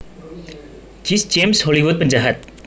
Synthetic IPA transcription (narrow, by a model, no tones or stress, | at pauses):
d͡ʒisd͡ʒemsholiwʊt̪̚pəɲd͡ʒaɦat̪̚